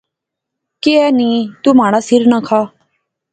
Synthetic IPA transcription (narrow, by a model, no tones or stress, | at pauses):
keɛːnĩːt̪uːmaːɽaːsɪɾnãkʰaː